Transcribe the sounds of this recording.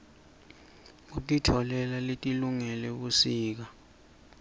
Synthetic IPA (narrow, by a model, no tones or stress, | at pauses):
utʼitʰɔlɛlaletʼiluŋɛlɛɓusiːk̬a